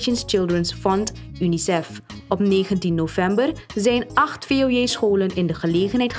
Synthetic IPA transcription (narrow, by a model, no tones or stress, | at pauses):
ʃənst͡ʃɪlˠdrənsfɔnt | ynisɛfɔpneːχəntinːovɛmbərzɛjnɑχtfeːojeːsχoːlənɪndəχəleːχənɦɛjt